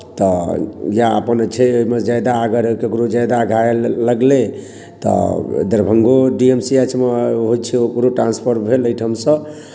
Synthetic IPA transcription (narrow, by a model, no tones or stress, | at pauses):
t̪ɔjaə̰pənt͡ʃʰɛoimed͡ʒajd̪aəɡəɾokeɡuɾod͡ʒajd̪aɡʱaelːəɡlẽ | t̪ɔ̰d̪əɾbʱəŋɡoɖiemsiət͡ʃʰmeɦojt͡ʃʰiokuɾoʈɾãnspʰəɾbʱeləjʈʰəmsə̃